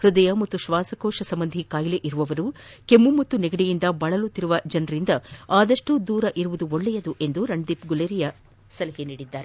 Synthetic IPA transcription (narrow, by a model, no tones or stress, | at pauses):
hɾud̪ɐjɐmɐt̪ːuʃʋaːsɐkoːʃɐsɐmbɐnd̪ʱikaːjleʔiɾuʋɐʋɐɾukemːumɐt̪ːuneɡɐɽijind̪ɐbɐɭɐlut̪ːiɾuʋɐd͡ʒɐnɐɾind̪ɐaːd̪ɐʂʈud̪uːɾɐʔiɾuʋud̪uoɭːɛjɐd̪uʔe̞nd̪uɾɐɳɖ̪ipɡuleːɾijɐ | sɐlɐɦiniːɽid̪ːaːɾe